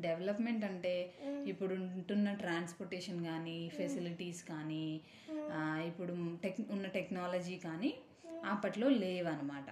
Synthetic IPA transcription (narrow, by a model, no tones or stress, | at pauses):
ɖeʋɐlɐpme̞ɳʈɐɳʈe̞ːipːuɽuɳʈunːɐʈɾaːnspoɾʈeːʂɐnkaːnipʰesiliʈiːskaːniː | ipːuɽuʈekunːɐʈeknaːlɐd͡ʒiːkaːni | ɐpːɐʈlo̞ːleːʋɐnɐmaːʈɐ